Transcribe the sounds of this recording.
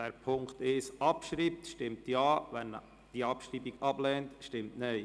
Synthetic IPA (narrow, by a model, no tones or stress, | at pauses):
d̥ɛːɾpʰʊŋkt̪ɪʃʔɑpʃɾiːp̚tʃtɪmtjɑːʋɛn | d̥iɑpʃriːbiɡɑb̥lɛːntʃtɪmtnɛɪ